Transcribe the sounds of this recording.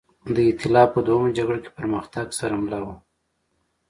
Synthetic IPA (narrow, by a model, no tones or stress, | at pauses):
d̪əɪt̪ɪlɑpəd̪waəmad͡ʒaɡɽoke̥pəɾməxt̪aɡsaɾamlɑwu